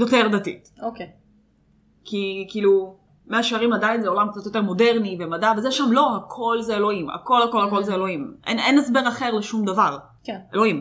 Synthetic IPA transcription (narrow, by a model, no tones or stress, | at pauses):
jote̞ʁd̪atḭtoke | kikiːlu | meaʃaʁimadajinzeo̞lamk̚t͡sat̪jo̞t̬e̞ʁmo̞de̞ʁnive̞madavezeʃamlo̞hakʰo̞lzeelo̞ima̰ko̞lhako̞lhako̞lzeelo̞himʔḛnenesbe̞ʁaχe̞ʁleʃumd̪avaʁ | kelo̞im